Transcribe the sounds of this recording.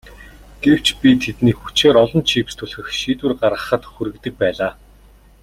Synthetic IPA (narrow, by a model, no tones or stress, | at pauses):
ɡ̥ew̥t͡ɕpʲit̪ʰet̪niːxut͡ɕeːɾɔɮɞ̆nt͡ɕʰiːpst̪ʰɵɮxɘ̆xʃiːt̪wɘ̆rɢarʁə̆χə̆t̪xuɾɘ̆kt̪ɘ̆k̚pæːɮaː